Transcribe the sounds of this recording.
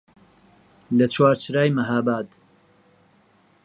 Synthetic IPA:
lɐt͡ʃʰwaːɾt͡ʃʰɾaːjmɐɦaːbaːd̪

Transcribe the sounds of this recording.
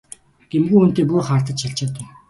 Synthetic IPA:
ɡ̥emɡuːun̥t̪eːpujχaːrt̪ə̆t͡ɕ̪ʃaɬt͡ɕaːt̪ʊ̆

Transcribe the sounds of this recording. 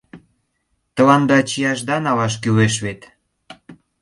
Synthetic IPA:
t̪ə̆lɑnd̪ɑt͡ɕijɑʃd̪ɑnɑlɑʃ̬kyβeʃβet̪

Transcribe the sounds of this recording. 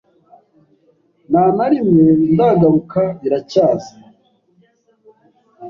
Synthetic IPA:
naːnaɾimwendaːɡaβukaɾiɾacaːza

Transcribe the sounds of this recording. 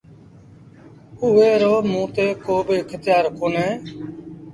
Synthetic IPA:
ʊeːɾoːmũːt̪eːkoːbɪkʰət̪ɪjaːɾkoːneː

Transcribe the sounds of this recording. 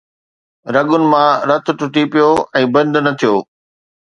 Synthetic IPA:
ɾɐɠʊnɪ̆mãɾɐt̪ʰʊ̆ʈʊʈipijoɛ̃ːbɐ̃nd̪nɐt̪ʰijoː

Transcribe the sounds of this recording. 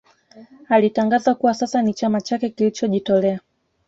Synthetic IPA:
alitaŋɡazakuwasasanit͡ʃamat͡ʃakɛkilit͡ʃɔʄitɔlɛa

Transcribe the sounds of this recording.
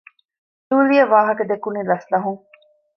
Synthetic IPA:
d̪uːɾijɐʋaːɦɐkɐd̪ekunilɐslɐɦuŋ

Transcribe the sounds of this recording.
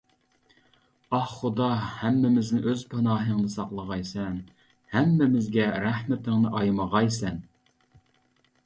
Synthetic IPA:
ɑhχʊd̪ɑhæmːɪmɪznɪʔøzpʰɑnɑːɦəŋd̪ɨsɑqlˠəʁɑjsɛn | hæmːɪmɪzɡʲɛɾæhmɪt̪ʰɪŋnɨʔɑjmɑʁɑjsɛn

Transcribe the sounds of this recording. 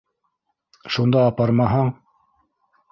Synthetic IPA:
ʃund̪ɑːpɑɾmɑɦɑɴ

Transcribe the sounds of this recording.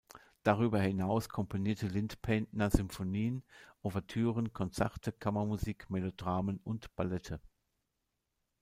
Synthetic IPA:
d̥aʁ̞yːbɐhɪnaʊskʰɔmpʰoniːɐtəlɪntpʰɛntnɐzʏmfoniːənʔovɛɐtʰyːʁənkʰɔnt͡sɛ̰ʁtəkʰamɐmuziːkmelodʁaːmənʊntb̥alɛtʰə

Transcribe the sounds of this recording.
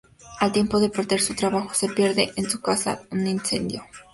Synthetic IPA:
alt̪je̞mpoðepoɾt̪eɾsut̪ɾaβaxo̥se̞pjeɾðeʔensukasa̰uninsḛnd̪jo

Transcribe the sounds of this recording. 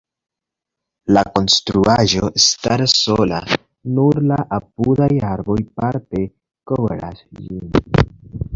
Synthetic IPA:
lako̞nstɾuaʒo̞estaɾsola̰ | nuɾlaʔap̚udajaɾbo̞jpaɾte̞ | kovɾa̰sd͡ʒin

